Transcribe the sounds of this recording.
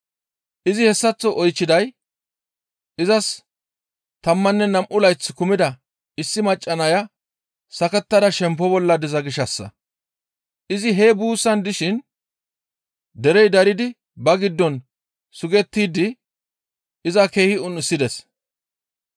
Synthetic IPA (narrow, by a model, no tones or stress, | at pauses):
ʔɪzɪhɛsːɐt͡sːɔʔɔjt͡ʃːɪd̪ɐj | ʔɪzɐs | t̪ɐmːɐnːɛnɐmʔʊlɐjt͡sːkʊmɪd̪ɐ | ɪsːɪmɐt͡ʃʼːɐnɐjɐ | sɐkɛt̪ːɐd̪ɐʃɛmp̬ːɔbɔlːɐd̪ɪzɐɡɪʃɐsːɐ̰ | ʔɪzɪɦeːbuːsːɐnd̪ɪʃɪn | d̪ɛɾɛjd̪ɐɾɪd̪ɪ | bɐɡɪd̪ːɔn | sʊɡɛt̪ːiːd̪ɪ | ɪzɐke̞ːhɪʊnɪsːɪd̪ɛs